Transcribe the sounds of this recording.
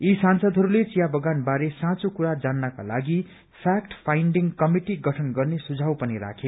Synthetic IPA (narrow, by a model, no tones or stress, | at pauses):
isansʌd̪ʱɦʌɾulet͡sijabʌɡanbaɾesãt͡sokuɾad͡zanːʌka̰laɡi | pʰak̚ʈpʰajɳɖiŋkʌmiʈiɡʌʈʰʌnɡʌrnesud͡zʱawpʌniɾa̰kʰe